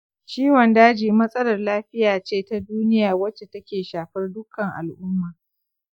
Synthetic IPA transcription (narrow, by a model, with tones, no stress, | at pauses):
t͡ʃiː˦wɔ˨ndaː˦d͡ʒiː˨mɐ˦sʼɐ˦lɐ˨rlaː˦ɸɪ˦jaː˨t͡ʃeː˦˨ta˦duː˦nɪ˦jaː˨wɐ˦t͡ʃːe˨tɐ˦kʲeː˨ʃaː˨ɸɐ˦rdʊ˦kːɐ˨ŋʔa̰˨lʔʊ˦mːaː˨